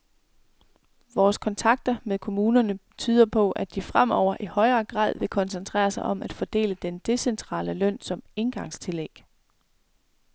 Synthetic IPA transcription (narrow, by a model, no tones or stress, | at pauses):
ʋɒːskʰɒ̽nt͡sʰɑ̈ɡ̥̚d̥ɐmeðˠkʰo̝muːnɐnə | t͡sʰyːð̞ˠɐpʰɒ̽ʔæd̥ifʁam̰ɒʊ̰ɐʔihɒ̽ɪɐːɡ̥ʁɑ̰̈ːð̞̰ˠʋe̝kʰɒ̽nsənt͡sʰʁɛ̰ːɐsɑ̈ɪʔɒ̽mʔæd̥fɒd̥e̝̰ːləd̥end̥e̝sent͡sʰʁɑ̰̈ːləlœn̰sɒ̽me̝nɡ̥ɑ̈ŋst͡sʰe̝leɡ̥